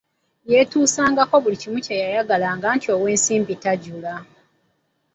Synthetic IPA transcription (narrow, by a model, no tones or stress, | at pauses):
je̞tuːsaːŋɡako̞βulicimucejajaɡalaːŋɡaːntio̞we̞ːnsiːmbitaɟula